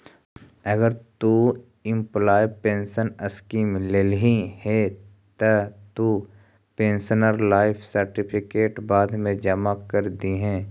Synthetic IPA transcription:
ɐɡəɾt̪u | ɪ̃mplaːɪpẽːnsənəskiːmleːlɦĩhɛ | t̪ət̪u | pẽːnsənəɾlaːɪpʰsəɾʈɪpʰɪkeːʈbaːd̪ʱmẽd͡ʒɐmakɐɾd̪iɦɛ̃ː

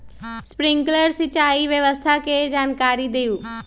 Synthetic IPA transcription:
spɾɪŋɡləɾsɪt͡ʃaːiʋjəʋəst̪ʰaked͡ʒaːnkaːɾid̪ejuː

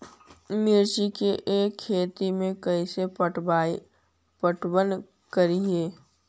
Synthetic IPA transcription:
mɪɾt͡ʃikeʔeːkʰːeːt̪imẽkɐiseəa | pəʈwən | kəɾiɦeː

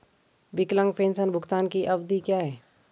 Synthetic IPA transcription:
bɪklə̃ŋɡ̚pẽːnsənbʱʊkt̪aːnkiʔɐbd̪ikjaːɦɛː

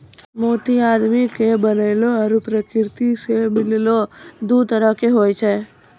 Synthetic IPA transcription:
moːt̪iaːd̪mikebənəɪloəɾupɾəkɪɾt̪isemɪlɪlod̪ut̪əɾəkeɦoːjt͡ʃʰe

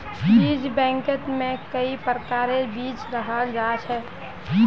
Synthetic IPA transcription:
iːd͡ʒbɛ̃ːŋkət̪mẽkəipɾəkaːɾebiːt͡ʃɾəɦad͡ʒat͡ʃʰɛ

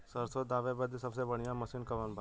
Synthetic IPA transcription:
səɾsoːd̪ːaːʋebəd̪sɐbsebɐɽ̤̃ijãmɐsiːnkɐʋənbʱa

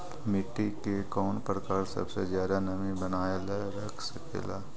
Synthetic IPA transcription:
mɪʈːikekɔːnpɾəkaːɾsɐ̰bsezjaːd̪anɐmĩbɐnaːjaleɾɐkʰsɐkḛːla̰ː

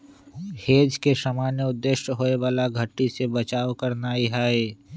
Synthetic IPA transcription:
heːd͡ʒkesamaːnjəʊd̪ːeʃɦoːeʋaːlaɡʱəʈːisebət͡ʃaːwkəɾnaːiɦaːeː

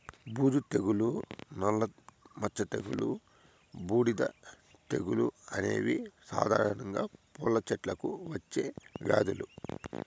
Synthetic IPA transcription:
buːd̪ut̪e̞ɡulunɐlːɐmɐt͡ʃːɐt̪eɡulu | buːɽid̪ɐ̰ | t̪eɡuluɐne̞̰ːʋisa̰ːd̪ʱaːɾɐnɐŋɡaːpɔlːɐt͡ʃɛʈlɐkuʋɐt͡ʃːeːɡa̰ːd̪ulu

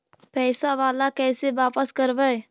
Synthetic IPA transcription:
pɛːsaʋaːlakɛːseʋaːpəskəɾʋɛː

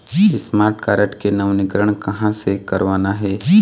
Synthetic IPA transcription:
ɪsmaːɾʈkaːɾəʈkenɐʋnɪkɾəɽ̃kɐɦãsekɐɾʋaːnaɦɛː

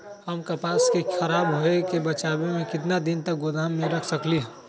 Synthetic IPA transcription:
həmkɐpaːskekxʰɐɾaːbɦoekebət͡ʃaːbemẽkɪt̪̬nad̪ɪnt̪ək̚ɡod̪aːmːẽɾəkʰsəkliɦ

